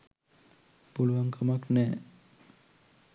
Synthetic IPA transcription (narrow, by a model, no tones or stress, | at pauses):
puluwaŋkamaknɛ